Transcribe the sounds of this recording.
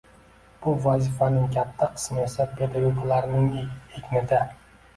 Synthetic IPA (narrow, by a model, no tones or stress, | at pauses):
b̥ʊvazɪfanɪŋkʲʰat̪ʰːaqʰɨ̥smsapʰed̪aɡoklaɾnɪŋekʲnɪd̪a